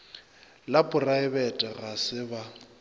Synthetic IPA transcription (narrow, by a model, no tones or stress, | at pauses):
lapʼʊraɪbɛtʼɛɣasɪba